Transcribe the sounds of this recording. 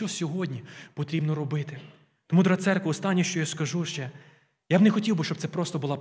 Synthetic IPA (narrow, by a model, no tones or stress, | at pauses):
t͡ʃɔsʲɔɦɔdʲnʲipɔt̪ɾʲibnɔɾɔbɪt̪ɪ | t̪ɔmud̪ɾɐt̪sɛrkʋɐɔst̪ɑnʲːiʃt͡ʃɔjaskɐʒuʃt͡ʃɛ | jabnɛxɔtʲiwbɪʃt͡ʃɔb̪̚sɛpɾɔst̪ɔbʊlˠa